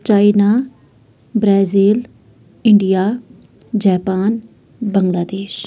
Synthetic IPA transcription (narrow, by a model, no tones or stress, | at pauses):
t͡ʃaːinaː | bɾaːziːl | ɪɳɖijaː | d͡ʒaːpaːn | bəŋɡlaːd̪eːʃ